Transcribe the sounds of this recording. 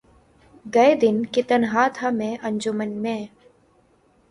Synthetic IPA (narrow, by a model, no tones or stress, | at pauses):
ɡɐed̪ɪnkɪt̪ənɦaːt̪ʰamẽʔɐ̃ɲd͡ʒʊmənmẽː